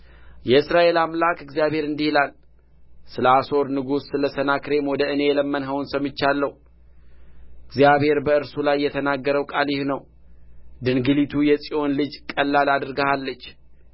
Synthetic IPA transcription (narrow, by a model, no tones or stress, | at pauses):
jɛɨsɾaʔe̞lamlakɨɡzijaβhe̞ɾɨnd̪ihilal | sɨləaso̞ɾnɨɡusːɨləsənakɾe̞mwɔd̪əɨne̞ɛləmːənɦəwnsəmɨt͡ʃːalːəhu | ʔɨɡzijaβhe̞ɾbəɨɾsulajːɛt̪ʰənaɡːəɾəwkʼaljɪhnəw | d̪ɨnɡɨlit̪ʰujɛsʼiʔo̞nlɨd͡ʒkʼəlːalad̪ɾɡəhalːət͡ʃː